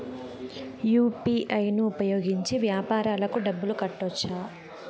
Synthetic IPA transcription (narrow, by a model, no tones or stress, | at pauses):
juːpiʔɐjnuːpɐjoːɡiɲt͡ʃiʋjaːpaːɾaːlɐkuɖɐbːulukɐʈːɔt͡ʃːaː